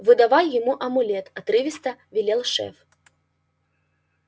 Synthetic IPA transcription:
vɨd̪avajjɪmuʔɐmʊlʲɛt̪ɐt̪ɾɨvʲɪst̪ɐvʲilʲɛlˠʂɛ̰f

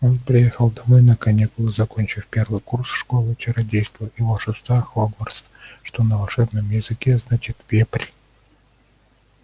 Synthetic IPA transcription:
o̞npɾʲɪjexəlˠd̪ɐmo̞jnəkɐnʲikʊlˠɨzɐko̞nʲt͡ɕɪfpʲe̞rvɨjkursʂkolˠɨt͡ɕɪɾɐdʲejst̪vəɪvoʂɨst̪axoɡorst̪ʂt̪o̞nəvɐlˠʂɛbnɨmjɪzɨkʲeznat͡ɕɪt̪vʲepɾʲ

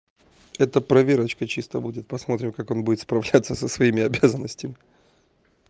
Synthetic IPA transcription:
ɛt̪əpɾɐvʲeɾət͡ɕkət͡ɕist̪əbudʲɪt̪̚pɐsmo̞t̪ɾʲɪmkako̞nbudʲɪt̪spɾɐvlʲat̪səsəsvɐimʲɪɐbʲazənːəsʲtʲɪmʲɪ

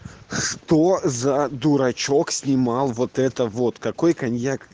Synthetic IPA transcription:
ʂt̪ozɐd̪uɾɐt͡ʃoksʲnʲimɑlˠʋɔt̪ɛt̪əvɔt̪kɐkɔjkɐnʲjak

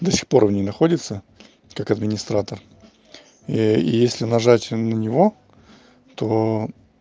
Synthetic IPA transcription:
d̪osʲɪ̥xpo̞rvnʲejnɐxo̞dʲɪt̪sə | kakɐd̪mʲɪnʲɪst̪ɾat̪ər | ḭjesʲlʲɪnɐʐatʲnənʲɪvo̞ | t̪o̞

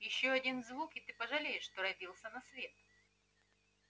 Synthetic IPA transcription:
jɪɕːoɐdʲinzvukɪt̪ɨpəʐɐlʲejɪʂːt̪oɾɐdʲilˠsʲənɐsvʲe̞t̪

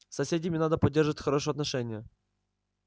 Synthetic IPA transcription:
sɐsʲedʲɪmʲɪnad̪əpɐdʲːerʐɨvətʲxɐɾoʂɨjəɐt̪nɐʂɛnʲɪjə

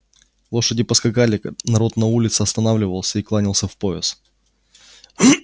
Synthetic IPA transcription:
lˠo̞ʂədʲɪpəskɐɡalʲɪknɐɾo̞t̪nɐulʲɪt̪sɨɐst̪ɐnavlʲɪvəlˠsʲəiklˠanʲɪlˠsʲəfpo̞ɪs

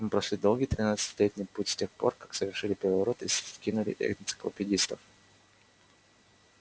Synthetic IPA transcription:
mɨpɾɐʃʲlʲid̪o̞lˠɡijt̪ɾʲɪnat̪sɨ̥tʲɪlʲetʲnʲɪjputʲsʲtʲexpo̞̰rkaksəvʲɪrʂɨlʲɪpʲɪɾʲɪvɐɾo̞t̪iskʲinʊlʲɪ̰ʔɛ̰ɡnʲt̪sɨ̥klˠə̰pʲɪdʲist̪əf

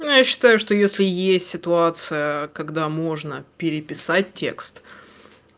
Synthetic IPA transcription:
njaɕːɪ̥t̪ajʊʂt̪ojesʲlʲɪjesʲtʲsʲɪt̪ʊat̪sɨjəkɐɡd̪amo̞ʐnəpʲɪɾʲɪpʲɪsat̚ʲtʲe̞̰kst̪

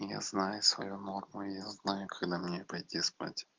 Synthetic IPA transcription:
ja̰znajʊsvɐ̰juno̞rmʊɪjaznajʊkɐɡd̪amnʲepɐjt̪ʲispa̰tʲ

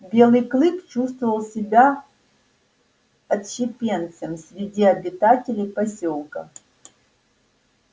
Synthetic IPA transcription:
bʲelˠɨjklˠɨkt͡ʃʰust̪vəvɐlˠsʲɪbʲa | ɐt̪ʃɪpʲent̪səmsʲɾʲɪdʲiɐbʲɪt̪atʲɪlʲɪjpɐsʲo̞lˠkə

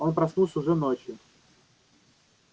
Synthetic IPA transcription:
onpɾɐsnulˠsʲʊʐɛnot͡ɕjɪ

